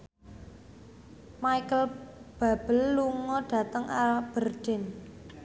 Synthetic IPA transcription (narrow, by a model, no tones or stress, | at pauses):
maikəlb̥a̤b̥əlːuŋɔɖ̥ä̤t̪əŋʔab̥ərd̥ɪn